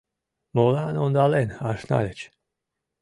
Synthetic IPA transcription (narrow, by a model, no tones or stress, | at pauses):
mɔlaːnɔnd̪alɛnaʃna̰lɛt͡ʃ